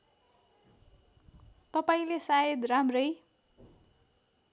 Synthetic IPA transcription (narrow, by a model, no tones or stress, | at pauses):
t̪ʌpaĩlesajed̪ramrʌj